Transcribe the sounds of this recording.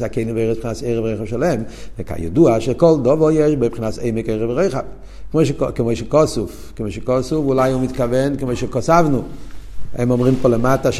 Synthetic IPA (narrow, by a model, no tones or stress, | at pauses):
sakeɪnimveɛspχinaseɪʁəvʁoɪχavʃɛlɛmvɛka̰jɛ̰duaʃɛkɔlˠdɔvɔjɛʃbepχinaseɪmɛkeɪʁɛvʁoχav | kmoɪʃkɪmoɪʃɛkɔsuf | kɪmojʃɛkɔsufulajhumit̪kavɛnkɪmoɪʃɛkɔsavnu | ɛ̰mɔmʁimpɔləmataʃ